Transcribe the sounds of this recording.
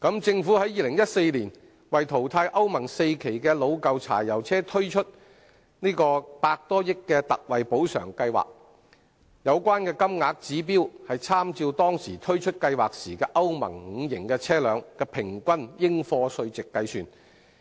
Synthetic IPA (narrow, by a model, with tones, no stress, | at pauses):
kɐ˨˥mt͡sɪ˧ŋfuː˨˥hɐ˨˥jiː˧lɪ˨˩ŋjɐ˥t̚se˧jliː˨˩n | wɐ˨jt̪ʰo˨˩wt̪ʰaː˧jʔɐ˥wmɐ˨˩ŋse˧jkʰe˨˩jkɛː˧lo˨˧wkɐ˨˧wt͡sʰa̰ː˨˩jːɐ˨˩wt͡sʰɛː˥t̪ʰɵ˥ɥt͡ʃʰɵ˥t̚ | niː˥kɔː˧paː˧k̚t̪ɔː˥jɪ˥kːɛː˧t̪ɐ˨k̚wɐ˨jpo˨˥wsœ̰ː˨˩ŋkɐ˧jwa̰ː˨k̚ | jɐ˨˧wkʷaː˥nkɛː˧kɐ˥mŋaː˨˧k̚t͡siː˨˥p̬iː˥whɐ˨jt͡sʰaː˥mt͡siː˧wt̪ɔː˥ŋsiː˨˩t̪ʰɵ˥ɥt͡ʃʰɵ˥t̚kɐ˧jwaː˨˩k̚siː˨˩kɛː˧ʔɐ˥wmɐ̰˨˩ŋŋ̩˨˧jɪ˨˩ŋkɛː˧t͡sʰɛː˥lœː˨˧ŋkɛː˧pʰɪ˨˩ŋkʷɐ˥njɪ˥ŋfɔː˧sɵ˧ɥt͡sɪ˨kːɐ˧jsyː˨˧n